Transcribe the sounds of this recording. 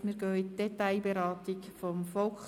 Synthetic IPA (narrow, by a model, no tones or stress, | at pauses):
miɾɡœːitd̥ɛtaɪbeɾɑːt̪ikfɔmfɔlk